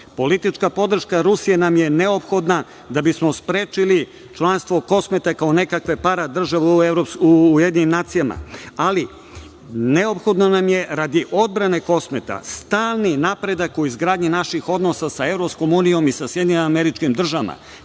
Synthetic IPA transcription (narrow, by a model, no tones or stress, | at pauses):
po̞lit̪it͡ʃkapod̪r̩ʃkaɾusije̞namje̞neopxo̞d̪na | d̪abismo̞spɾeːt͡ʃili | t͡ʃlˠanst̪ʋo̞ko̞smet̪akao̞ne̞kakʋe̞paɾad̪r̩ʒaʋeeɾopsjed̪ɲinimnaːt̪sijama̰ali | ne̞o̞pxo̞d̪nanamje̞ɾad̪iʔo̞d̪̚bɾane̞ko̞smet̪a̰st̪aːlˠninapɾe̞d̪akuizɡɾaːd̪ɲinaʃixo̞d̪no̞sasae̞vɾopsko̞munijo̞misasje̞d̪ɲioameɾit͡ʃkimd̪r̩ʒaama̰